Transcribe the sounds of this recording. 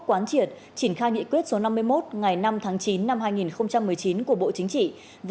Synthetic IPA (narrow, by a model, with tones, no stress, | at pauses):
kwaː˨˦nt͡ɕi˨˩ət̚ | t͡ɕi˧˩nxaː˧jŋḭ˧˨kwət̚so˨˦na˧mːɨ˧əjmo˦˥t̚ŋa˨˩jna˧mt̪ʰaː˨˦ŋt͡ɕi˨˦nːa˧mɦaː˧jŋi˨˩nxə˧wŋ͡mt͡ɕa˧mːɨ˨˩əjt͡ɕi˨˦nku˧˩əɓo̰˧˨t͡ɕï˨˦ŋt͡ɕḭ˧˨ | v